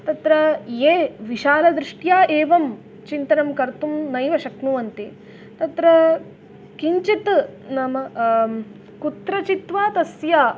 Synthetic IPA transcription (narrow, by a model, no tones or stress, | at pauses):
t̪ɐt̪ɾɐjeːʋiʃaːlɐd̪ɾɪʂʈjaːʔeːʋɐm | t͡ʃint̪ɐnɐmkɐɾt̪umnɐjʋɐʃɐknuʋɐnt̪i | t̪ɐt̪ɾɐ | kiɲt͡ʃit̪nɐmɐ | kut̪ɾɐt͡ʃit̪ʋaːt̪ɐsjaː